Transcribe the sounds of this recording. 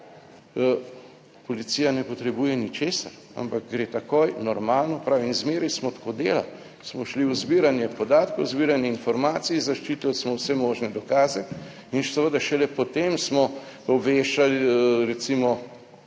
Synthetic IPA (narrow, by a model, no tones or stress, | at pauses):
pɔlit̪sijanɛpɔt̪ɾɛbuːjɛnit͡ʃeːsa̰ɾ | a̰mpak̚ɡɾeːt̪akoːjnɔɾmaːlnɔpɾaːʋinzmeːɾismɔt̪ḁkod̪ḛːla̰l | smɔʃlizbiɾanjɛpɔd̪aːt̪kowzbiːɾanjɛinfɔɾmaːt̪siizaʃt͡ʃiːt̪alsmɔwsɛmɔːʒnɛd̪ɔkaːzɛ | insəʋəd̪aʃɛlɛpɔt̪emsmɔ | ɔbʋeːʃalɾɛt̪simɔ